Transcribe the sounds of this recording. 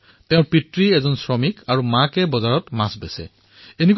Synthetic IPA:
tɛ̃ʊ̃ɹpitɹiɛzɔnsɹɔmikaɹumakɛbɔzaɹɔtmasbɛ̰sɛ̰ | enek

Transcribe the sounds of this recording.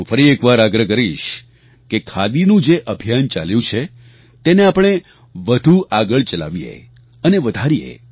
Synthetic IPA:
ũfəɾiekʋaɾaɡɾəkəɾiʃ | kekʰad̪inũd͡ʒeʔəbʱijant͡ʃa̰ljũt͡ʃʰe | t̪eneapɳ̃e | ʋəd̪ʱuaɡəɭt͡ʃəla̰ʋijḛ | əneʋəd̪ʱaɾijḛ

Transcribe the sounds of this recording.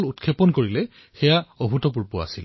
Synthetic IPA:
lutkʰepɔnkoɹilɛ | xɛjaoɦutɔp̬uɹpʊa̰sil

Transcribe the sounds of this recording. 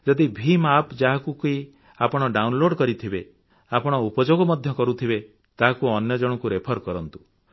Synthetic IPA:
d͡ʒɔd̪ibʱimapd͡ʒaɦakuki | apɔɽ̃ɔɖawnloɽkɔɾit̪ʰibe | apɔɽ̃ɔupɔd͡ʒoɡɔmɔd̪ʱjɔkɔɾut̪ʰibe | t̪aɦakuɔnjɔd͡ʒɔɽ̃ɔkuɾepʰɔɾkɔɾɔnt̪u̥

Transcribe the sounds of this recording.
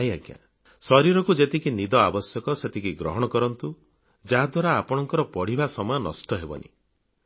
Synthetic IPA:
ajaɡja̰ | sɔɾiɾɔkud͡ʒet̪ikinid̪ɔabɔsjɔkɔset̪ikiɡɾɔɦɔɽ̃ɔkɔɾɔnt̪u | d͡ʒaɦad̪waɾaːpɔɽ̃ɔŋkɔɾɔpɔɽ̤ibasɔmɔjɔnɔ̰sʈɔɦebɔ̰nḭ

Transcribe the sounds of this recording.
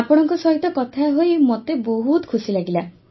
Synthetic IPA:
apɔɽ̃ɔŋkɔsɔɦit̪ɔkɔt̪ʰaɦojmot̪eboɦut̪kʰusilaɡila

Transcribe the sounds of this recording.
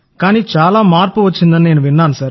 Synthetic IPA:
kaːniːt͡ʃaːlaːmaːɾpuʋɐt͡ʃːind̪ɐnineːnuʋiɳːaːnusɐːɾ

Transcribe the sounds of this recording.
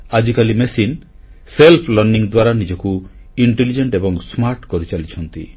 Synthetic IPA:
ad͡ʒikalimesin | selpʰlɔɾniŋd̪waɾanid͡ʒɔku | iɳʈelid͡ʒeɳʈebɔŋsmaɾʈkɔɾit͡ʃalit͡ʃʰɔnt̪i

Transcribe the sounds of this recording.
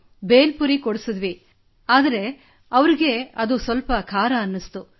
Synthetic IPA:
be̞ːlpuɾikɔɽusɐd̪ʋi | aːd̪ɐɾe̞ | ɐʋɐɾiɡe̞ɐd̪usʋɐlpɐkʰaːɾɐːnːist̪u

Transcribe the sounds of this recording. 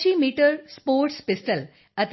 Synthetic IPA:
iːmiːʈəɾspoːɾʈspɪsʈəl | ət̪

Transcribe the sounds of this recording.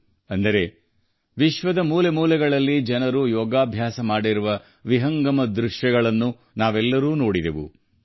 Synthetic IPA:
ɐnd̪ɐɾe̞ | ʋiʃʋɐd̪ɐmuːlemuːlɛɡɐɭɐlːid͡ʒɐnɐɾujɔːɡaːbʱjaːsɐmaːɽiɾuʋɐ | ʋiɦɐŋɡɐmɐd̪ɾuʂjɐɡɐɭɐnːu | naːʋɛlːɐɾuːno̞ːɽid̪eʋṵ

